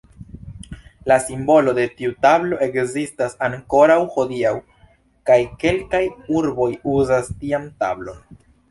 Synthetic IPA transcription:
lasimbo̞lo̞de̞tiutablo̞ʔe̞kzistasaŋko̞ɾawxo̞diaw | kajke̞lkajuɾbo̞juzastiamta̰blo̞̰n

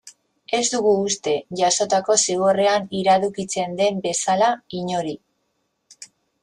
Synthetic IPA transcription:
e̞zd̪uɣuːst̪e̞ʝaso̞t̪ako̞siɣore̞aniɾaðukit͡se̞nd̪e̞mbe̞salaiɲo̞ɾi

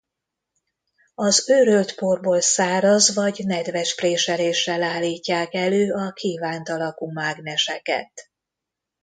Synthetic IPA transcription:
ɒzøɾølt̪porboːlsaːɾɒzvɒɟnɛd̪vɛʃpreːʃɛleːʃːɛlaːlːiːcːaːkɛløːɒkʰiːvaːnt̪ɒlɒkumaːɡnɛʃɛkɛ̰t̪

